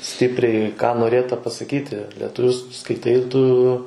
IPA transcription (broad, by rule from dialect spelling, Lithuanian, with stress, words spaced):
ˈsʲtʲɪpʲrʲɛɪ kɑː noːˈrʲeːtɐ pɐsɐˈkʲiːtʲɪ lʲiɛtʊˈʋʲʊ s skɐɪˈtɐɪ tʊ